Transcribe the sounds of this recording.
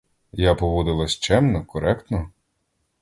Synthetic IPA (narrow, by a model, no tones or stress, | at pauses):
japɔʋɔd̪ɪlˠɐsʲt͡ʃɛmnɔkɔɾɛkt̪nɔ